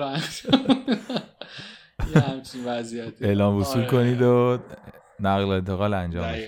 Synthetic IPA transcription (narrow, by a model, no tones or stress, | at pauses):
æxt̪ | hæmt͡ʃinvæzijæt̪e̞lɒːmbusulkoniːd̪o | næɣleent̪ʰeɣɒːlænd͡ʒɒ̰ːmbeʃ